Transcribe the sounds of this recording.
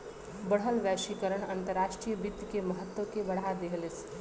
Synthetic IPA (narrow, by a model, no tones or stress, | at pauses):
bəɽ̤ɦəlʋæʃikəɾəɳ̃ɐnt̪əɾːaʃʈɾijəbit̪ːkeməɦət̪wəkebɐɽ̤ad̪eɦles